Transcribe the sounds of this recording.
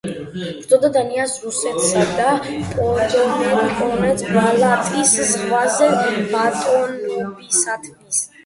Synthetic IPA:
bɾd̪ɔd̪ad̪aniasɾusɛt̪ʰsad̪apʼɔd̪ɔdkʼɔnɛt̪sʰbalat̪ʼiszʁvazɛmat̪ʼɔnɔbisat̪ʰmis

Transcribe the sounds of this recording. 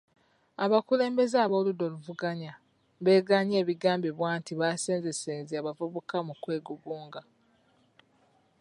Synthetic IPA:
aβakule̞ːmbe̞zaːβo̞ːludo̞luvuɡaɲa | βe̞ːɡaɲeːβiɡaːmbeβwaːntiβaseːnzeseːnziaβavuβukamukwe̞ːɡuɡuːŋɡa

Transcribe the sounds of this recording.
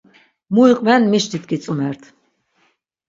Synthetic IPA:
muiqʼvɛnmiʃd̪it̪̚ʰkit͡sʼumɛɾt̪ʰ

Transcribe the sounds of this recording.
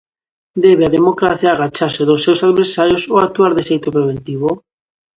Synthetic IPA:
d̪ɛβeaðemokɾaθjaːɣat͡ʃaɾseðosːewsaðβeɾsaɾjosoak̚t̪uaɾðesejt̪opɾeβ̞ent̪iβ̞o

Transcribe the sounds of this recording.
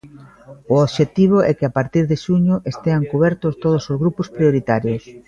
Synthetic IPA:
ʊoβʃet̪iβ̞ʊʔɛkɪapaɾt̪iɾðɪʃuɲʊʔest̪eaŋkuβɛɾt̪ʊst̪oð̞osozɣɾupʊspɾioɾit̪aɾjos

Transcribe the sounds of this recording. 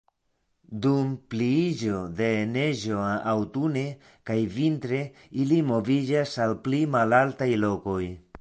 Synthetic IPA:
dumpliid͡ʒo̞de̞neʒo̞awtune̞ | kajvintɾe̞ | ilimo̞vid͡ʒasalplimalaltajlo̞ko̞j

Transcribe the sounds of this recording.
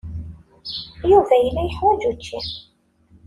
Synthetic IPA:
juvæjəlːæjəħwæd͡ʒut͡ʃːi

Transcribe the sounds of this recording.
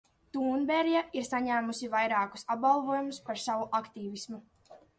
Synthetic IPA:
t̪uːnbɛɾjaʔiɾsaɲæːmusivajɾɑːku̥sab̚ɡalˠvuɔjumuspaɾsavuʔakt̪iːvismu

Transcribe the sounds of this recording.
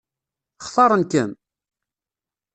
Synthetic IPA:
χθˤɑɾˤənkæm

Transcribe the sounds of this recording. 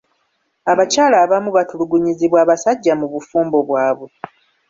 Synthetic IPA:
aβacaːlaːβamuβatuluɡuɲiziβwaːβasaɟːamuβufuːmbo̞βwaːβwe̞

